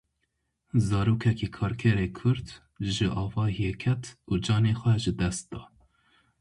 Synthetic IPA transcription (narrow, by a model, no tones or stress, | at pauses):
zɑːɾuːkʰɛkiːkʰɑːɾkʰɛɾeːkʰʊɾd̪ | ʒɨʔɑːvɑːhijekʰɛt̪uːd͡ʒɑːneːxʷɛʒɨd̪ɛst̪̚d̪ɑː